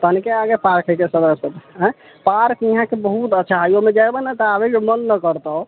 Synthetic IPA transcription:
t̪əɦnikeaɡepaɾkəkesəd̪əsət̪ə̃ | paɾkiɦãkebəɦut̪ətːʃʰaɦajomed͡ʒɛbənət̪abekemənːəkəɾt̪ə

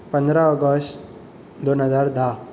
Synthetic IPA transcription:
pə̃nd̪ɾaɔɡəst | d̪onɦəzaːɾd̪ʱa

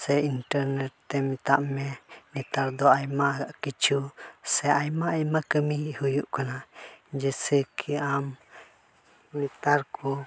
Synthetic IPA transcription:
sɛinʈɛɾnɛʈ̚t̪ɛmit̪aʔmɛnɛt̪aɾd̪ɔajmaaʔkit͡ʃʰusɛajmaajmakəmihujuʔkanad͡ʒɛsɛkʰiam | nɛt̪aɾku

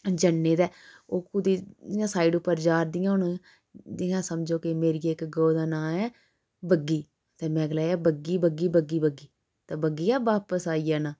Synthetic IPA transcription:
d͡ʒənːeːd̪ɛːoːkʊd̪iːd͡ʒɪjãːsaːiɖʊpːəɾd͡ʒaːɾd̪ɪjãːʊɳ | d͡ʒɪːãːsəmd͡ʒoːkɪmeːɾiːeːkɡoːd̪aːnãːɛː | bəɡːiː | t̪eːmɛ̃ːɡəlaːaːbəɡiːbəɡiːbəɡiːbəɡiː | t̪ãːbəɡːiːaːʋaːpəsaːiːjaːnaː

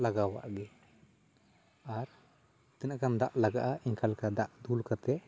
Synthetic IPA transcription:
laɡawa̰ʔɡɛ | aɾ | t̪ɛnakamd̪aʔlaɡaʔaʔiŋkalkad̪aʔd̪ulkat̪ɛ

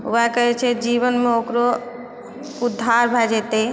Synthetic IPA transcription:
ṵakəɦɛt͡ʃʰɛd͡ʒiβənmeokɾo | ud̪ʱːaɾbʱɛd͡ʒɛt̪e

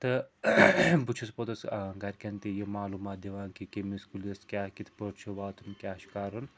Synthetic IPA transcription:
t̪ɨ | but͡ʃʰɐspot̪ɐsɡɐɾʲkʲɐnt̪ijimaːluːmaːt̪̚d̪ʲiʋaːnkikemiskuleskʲaːkit̪ʰpɐɾt͡ʃʰuʋaːt̪unkʲaːʃi̥kaːɾɐn

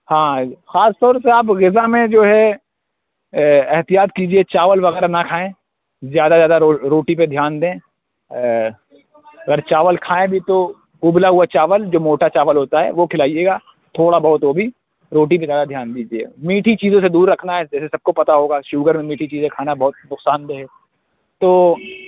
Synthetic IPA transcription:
hãːxaːst̪ɔːɾseaːpɣɪzamẽd͡ʒoːɦɛ | ɛɦt̪ijaːt̪kiːd͡ʒiet͡ʃaːʋəlʋɐɣɛːɾanakʰaːẽː | zjaːd̪azjaːd̪aɾoːɾoːʈip̬ed̪ʱjaːnd̪ẽː | ɐɡəɾt͡ʃaːʋəlkʰaːẽbʱit̪o | kuːblaɦʊat͡ʃaːʋəld͡ʒoːmoːʈat͡ʃaːʋəlɦoːt̪aɦɛ̰ʋokʰɪlaːijeːɡaː | t̪ʰoːɽabɐɦʊt̪ɦobʱi | ɾoːʈipezjaːd̪ad̪ʱjaːnd̪iːd͡ʒiḛmiːʈʰit͡ʃiːzõsed̪uːɾːɐkʰnaɦɛd͡ʒɛːsesɐb̚kopɐt̪aɦoːɡaːʃuːɡəɾmẽmiːʈʰit͡ʃiːzẽkʰaːnabɐɦʊt̪̚nʊqsaːnd̪eɦɛː | t̪oː

